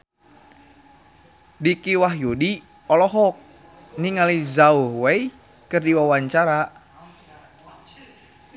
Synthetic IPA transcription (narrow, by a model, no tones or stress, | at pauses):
dikiwaɦjudi | ɔlɔɦɔk̚ | niŋalizauhwɛi | kɨrdiwawaɲt͡ʃaɾa